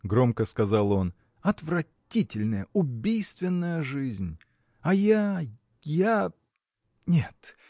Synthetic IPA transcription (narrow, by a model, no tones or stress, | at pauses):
ɡɾo̞mkəskɐzalˠo̞n | ɐt̪vrɐtʲitʲɪlʲnəjəʊbʲijst̪vʲɪnːəjəʐɨzʲnʲ | ɐja | ja | nʲet̪